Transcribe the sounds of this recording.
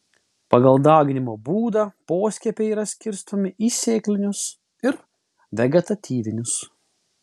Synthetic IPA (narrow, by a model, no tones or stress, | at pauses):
pɐɡɐlˠd̪ɑːɡʲɪnʲɪmoːbuːd̪ɑːpoːsʲkʲɛpʲɛiːɾɐsʲkʲɪɾst̪omʲɪʔiːsʲeːklʲɪnʲʊs | ɪɾ | ʋʲɛɡʲɛt̪ɐt̪ʲiːʋʲɪnʲʊs